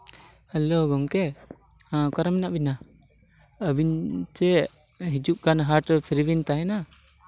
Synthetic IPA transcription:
hɛloɡɔŋkɛ | kaɾəmɛnaʔbina | əbiɲt͡ʃɛ | ɦid͡ʒuʔ̚ɡanɦaʈpʰiɾibint̪aɦɛna

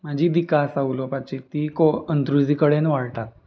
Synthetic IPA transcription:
m̤ad͡ʑiːd̪ikasaʋlopat͡ɕit̪iːkoənt̪ɾud͡ziːkəɽenʋaɽʈ̪at̪̚

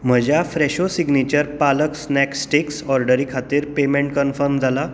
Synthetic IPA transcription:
m̤əd͡ʑjafɾeɕosiɡnit͡ɕəɾpaləksnɛksʈiksɔɾɖəɾiːkʰat̪iːɾpemẽɳʈ̚kənfəɾmd͡zʱala

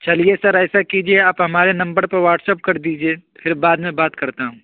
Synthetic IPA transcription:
t͡ʃɐliesɐɾɛːsakid͡ʒieaːpɦɐmaːɾenɐ̃mbəɾpɐɾʋaːɾʈsəp̚kɐɾd̪iːd͡ʒiepʰɪɾbaːd̪mẽbaːt̪kɐɾt̪aɦũː

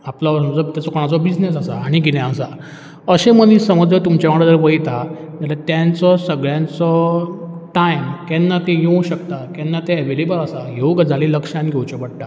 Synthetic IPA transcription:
aplaʋsəmd͡zɔt̪jat͡sɔkɔɽ̃at͡sɔbid͡znes̬asaːɽ̃iɡinjãəsa | əɕẽmənisəməd͡zət̪umt͡ɕaʋaɽəd͡z̪əɾʋəjt̪ad͡ʑalat̪jãnt͡sɔsəɡɭjãnt͡sɔ | ʈajmkɛnːat̪ejowɕəkt̪akɛnːat̪eəʋelebəlasajowɡd͡zʱaleləkʂãnɡʱewt͡ɕɔbəɽʈa

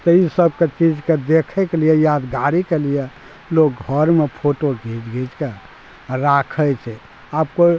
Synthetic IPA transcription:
t̪əisəb̚ket͡ʃid͡ʒked̪ekʰɛkelijɛjad̪ɡaɾikelijɛ | lok̚ɡʱəɾmepʰoʈoɡʱid͡ʒɡʱid͡ʒke | ɾakʰət͡ʃʰɛ | abko

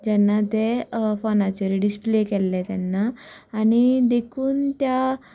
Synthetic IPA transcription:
d͡ʑɛnːat̪efɔnat͡ɕeɾiɖisplekɛlːɛt̪janːaːñid̪ekʰuːnt̪ja

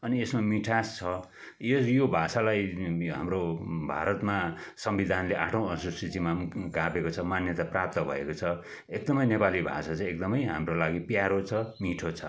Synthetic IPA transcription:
ʌniesmamiʈʰast͡sʰʌ | jesjobʱasalajɦa̰mrobʱa̰ɾʌt̪masʌmbid̪ʱanleʔaʈʰõw̃ʌsusit͡simamɡapekot͡sʰʌmanjʌt̪aprap̚t̪ʌbʱʌ̰ḛkot͡sʰʌ | ek̚d̪ʌmʌjnepalibʱa̰sat͡sʌ̃ek̚d̪ʌmʌjɦa̰mrolaɡipjaɾot͡sʰʌmiʈʰot͡sʰʌ

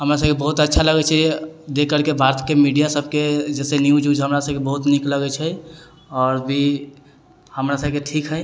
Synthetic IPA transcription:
ɦəmɾas̬əbkebəɦut̪ətːʃʰaləɡɛt͡ʃʰɛd̪ekəɾkebʱaɾt̪ʰkemiɖijasəbʱked͡ʒɛːsenjud͡ʒud͡ʒɦəmɾasəb̚kebəɦut̪nikləɡɛt͡ʃʰɛ | ɔːɾbʱi | həmɾasəb̚keʈʰikɦɛj

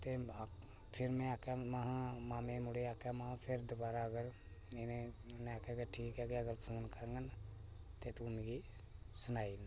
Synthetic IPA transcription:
t̪e | pʰɪɾmẽakɛməɦãmaːmẽmʊɽeaːkɛmaãpʰɪɾd̪ʊbaːɾaəɡəɾ | ɪnẽnẽakɛkeʈʰiːkɦɛɡeəɡəɾpʰoːnkəɾẽŋɡən | t̪et̪uʊnɡi | sʊnaːin

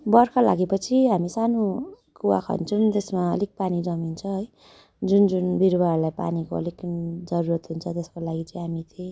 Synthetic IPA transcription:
bʌrkala̰ɡepʌt͡sʰiɦamisano | kuwa̰kʰʌ̰nt͡sʰunt̪esmaʌ̰lek̚panid͡zʌmint͡sʰʌɦʌj | d͡zund͡zunbiɾbaɾlajpa̰nikoʌ̰likd͡zʌɾuɾʌt̪ɦunt͡sʰʌt̪eskolaɡit͡sʌĩɦamit̪ẽ

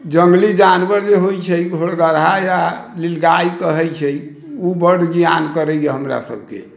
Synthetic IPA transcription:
d͡ʒəŋɡlid͡ʒanʋəɾd͡ʒeɦojt͡ʃʰɛiɡʱoɽɡəɾɦajalilɡaikəɦɛjt͡ʃʰɛj | ubəɽ̤d͡ʒijankəɾɛjeɦəmɾa̰sə̰b̚ʱkḛ

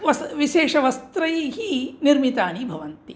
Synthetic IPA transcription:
ʋɐsʋiʃeːʂɐʋɐst̪ɾɐjɦiniɾmit̪aːnibʱɐʋɐnt̪i

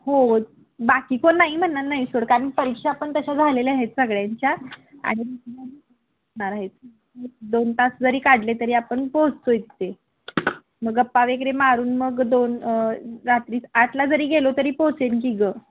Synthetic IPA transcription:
ho | bakiːkonːaɦim̤ənːat̪naɦisoɽkaniːpəɾikʂaːpəɳt̪əɕad͡zʱaleleaɦet̪səɡɭjaɲt͡ɕjaa̰ɽ̃imit̪ʰaɦiːə | ə | ɳaɾaɦet̪̚ | ed̪ont̪asd͡zəɾiːkaɽlet̪əɾiːapəɳposojt̪ːe | məɡəpːaʋekɾemaɾuːnməɡd̪onɾat̪ɾiːsat̪ʰlad͡zəɾiːɡelot̪əɾiːposenkiɡə

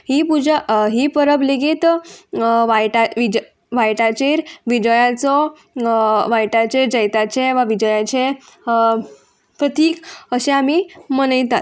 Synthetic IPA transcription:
ɦipud͡ʑaɦipəɾəbleɡiːt̪ | ʋajʈaʋid͡ʑ | ʋajʈat͡ɕeɾʋid͡ʑəjat͡sɔ | ʋajʈat͡ɕed͡ʑəjt̪at͡ɕeʋaʋid͡ʑəjat͡ɕe | pɾət̪iːkəɕeamimənəjt̪at̪̚

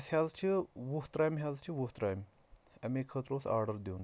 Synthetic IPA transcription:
sɦazt͡ʃʰiʋuht̪ɾaːjmɦʲazt͡ʃʰiʋuɦt̪ɾaːjm | ɐmikʰət̪ɾoːsa̰ːɾɖəɾd̪iwn

